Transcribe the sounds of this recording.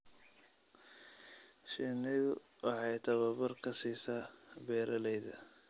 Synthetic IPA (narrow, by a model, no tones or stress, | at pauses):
ʃinɪðʊ | ʔɑħɑjt̪ʰɐβɐbɐrkʰɐsiːsaːbɛːɾʔɐlɛjðɐ̰